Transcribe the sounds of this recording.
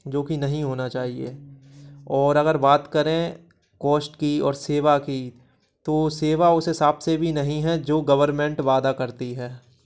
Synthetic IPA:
d͡ʒoːkinɐɦĩɦoːnat͡ʃaːɦiḛː | ɔːɾɐɣəɾbaːt̪kɐɾẽ | kɔːsʈkiɔ̰ːɾseːʋaki | t̪oːseːʋaʊsɦɪsaːbsebʱinɐɦĩɦɛd͡ʒoːɡɐʋəɾmẽɳʈʋaːd̪akɐɾt̪iɦɛː

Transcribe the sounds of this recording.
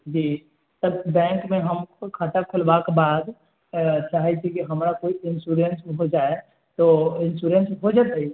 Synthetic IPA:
d͡ʒiː | t̪əbbɛ̃ːŋkmẽɦəmokʰat̪akʰʊlbakebaːd̪ | t͡ʃaɦɛt͡ʃʰikiɦəmɾakoiɪnsuɾensɦod͡ʒae | t̪oɪnsuɾensɦod͡ʒət̪i

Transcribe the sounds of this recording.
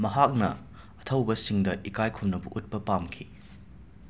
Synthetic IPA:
mɐɦak̚nɐ̰ | ɐtʰɐwbɐsiŋdɐʔikajkʰumnɐbuʔut̚pɐpamkʰi

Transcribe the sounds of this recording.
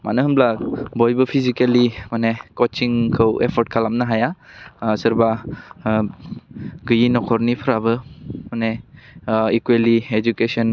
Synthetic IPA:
ma̰nɯɦɯmblabɔjbɯpʰizikelimanekɔt͡ʃiŋkʰɯwḛpʰɔɾt̚kʰalamnaɦajasɐɾba | ɡɯjinɔkʰɔɾnipʰɾabɯmane | ikwelied͡ʒukesɔn

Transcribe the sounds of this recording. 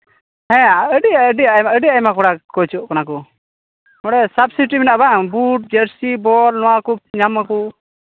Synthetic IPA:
hɛ̃aəɖijaəɖiajmaəɖijaɛjmakɔɽakɔt͡ʃɔʔkanakɔ | hɔɽɛsabsiʈiminaʔbabuʈ̚d͡ʒəɾsibɔlnɔwakuɲamːakɔ

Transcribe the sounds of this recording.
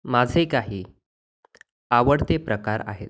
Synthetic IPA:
mad͡zʱekaɦiː | aʋəɽt̪epɾəkaɾa̰ɦet̪̚

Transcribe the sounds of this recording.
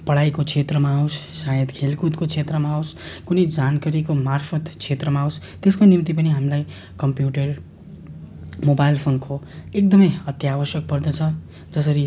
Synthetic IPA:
pʌɽajkokʰet̪rʌmaːwssajʌd̪kʰelkut̪kokt͡sʰet̪rʌmaːwskunid͡zankʌɾikomarpʰʌt̪kʰet̪rʌmaːws | t̪eskonimt̪ipʌniɦamlaj | kʌmpjuʈʌr | mobajlpʰonkʰoek̚d̪ʌmʌjʌt̪jabʌsjʌk̚pʌrd̪ʌt͡sʰʌ | d͡zʌsʌɾi

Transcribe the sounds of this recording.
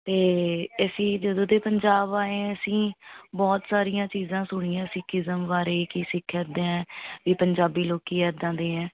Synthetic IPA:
t̪eːəsĩːd͡ʒəd̪õːd̪eːpəɲd͡ʒaːbaːẽːəsĩːbɔːt̪saːɾijãːt͡ʃiːzãːsʊɽ̃iːãːsɪ̃ːkʰɪzəmʋaːɾeːkiːsɪkʰːəd̪ẽɛ̃ːʋiːpəɲd͡ʒaːbiːloːkiːɛːɾd̪ãːd̪eːɛ̃ː

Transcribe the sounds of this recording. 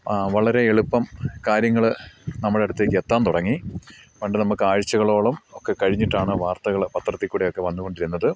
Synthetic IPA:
ʋɐɭɐɾe̞eɭupːɐmkaːɾjɐŋːɐɭnɐmːɐɽeɽut̪ːeːkːɨet̪ːaːnt̪uɽɐŋːiʋɐɳɖenɐmukːɨaːɻit͡ɕːɐɣɐɭo̞ːɭɐmo̞kːe̞kɐɻiɲːiʈːaːɳɨʋaːrt̪ɐɣɐɭpɐt̪rɐt̪ːikʲːuːɽejo̞kːe̞ʋɐnːuɣo̞ɳɖiɾunːɐðɨ

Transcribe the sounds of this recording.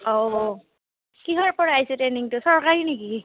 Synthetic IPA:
ɔ | kiɦaɹpɔɹaajsɛtɛniŋtʊsɔɹkaɹineki

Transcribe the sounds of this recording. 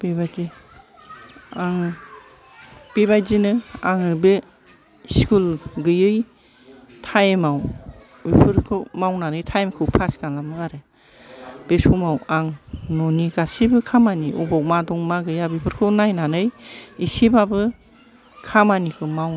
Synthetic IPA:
b̥ebajzi | aŋ | b̥ebajzinɯaŋɯbe | skulɡɯjɯj | tʰajmaw | ipʰɯɾkʰɯwmawnanɯjtʰajmkʰɯwpʰaskanlamɯaɾɯ | b̥esumawaŋnɔniɡasibɯkʰamaniʔubawmadɔŋmaɡɯjabipʰɯɾkʰɯwnajnanɯjisibabɯ | kʰamanikʰɯmaw

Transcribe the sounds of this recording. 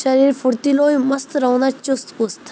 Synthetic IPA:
ʃɐɾiːɾpʰʊɾt̪iloːjmɐst̪ɾɐwnat͡ʃʊst̪ʊst̪ʰ

